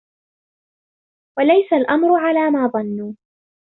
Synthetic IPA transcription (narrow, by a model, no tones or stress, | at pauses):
walajsalʔamɾʊʕalaːmaːðˤɑnːuː